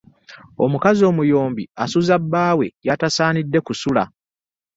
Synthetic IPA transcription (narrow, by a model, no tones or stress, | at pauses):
o̞̰mukazio̞ːmujo̞ːmbiasuzabːaːwe̞jatasaːnidːe̞kusula̰